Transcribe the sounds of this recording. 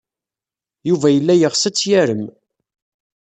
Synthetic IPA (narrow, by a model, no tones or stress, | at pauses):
juvæjəlːæjəʁsæt͡sːjæɾəm